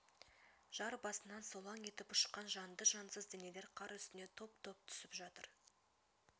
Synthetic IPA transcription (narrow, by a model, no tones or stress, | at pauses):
ʒ̥ɑɾbɑsənɑnso̞lˠɑŋe̞t̪ɪpʊ̥ʃqːɑnʒɑnd̪əʒɑnsəzd̪ɪnele̞ɾqʰɑɾʏst̪ɪne̞t̪ʰo̞pt̪ʰo̞p̚t̪ʰʏ̥sɪpʒɑt̪ə̰ɾ